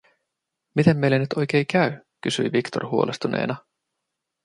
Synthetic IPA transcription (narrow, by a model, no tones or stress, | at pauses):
mit̪e̞mːejlænyt̪ʰo̞jk̟eːjkæykysy̰jʋikt̪o̞̰rhuolʔḛst̪unḛːnɑ